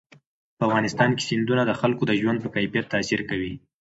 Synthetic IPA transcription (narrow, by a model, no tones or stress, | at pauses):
pəafɣɑnɪst̪ɑnke̥sɪnd̪unad̪əxalkod̪əʒwand̪̚pəkajfijat̪ːasiɾkawi